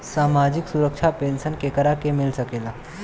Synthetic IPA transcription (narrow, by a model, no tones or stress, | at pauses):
saːmaːd͡ʒɪksuɾəkʃʰapẽːnʃənkekəɾakemɪlsəkeːlaː